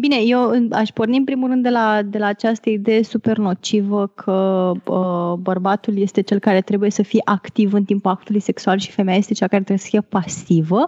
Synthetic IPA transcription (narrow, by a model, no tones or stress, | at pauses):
bine̞jewɨna̰ʃporniɨmpɾimulrɨnd̪ːelad̪e̞laːt͡ʃast̪əid̪e̞jesupe̞rno̞t͡ʃivəkʰəəbərbat̪ulje̞st̪e̞t͡ʃe̞lkaɾe̞t̪ɾe̞buje̞səfijeʔakt̪ivɨnt̪impuak̚t̪ulujse̞ksualʃi̥femeaje̞st̪et͡ʃakaɾet̪ɾebjesə̥fijepasivə